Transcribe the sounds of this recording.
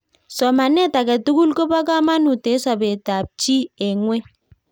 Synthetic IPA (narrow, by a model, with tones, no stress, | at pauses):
sɔ˨ma˨nɛ˦ta˨kɛ˨tu˦ku˦lko˦ba˦k̬a˦ma˦nu˨te˨˦sa˨be˨ta˨p̚t͡ʃi˦e˨ŋwɛ˦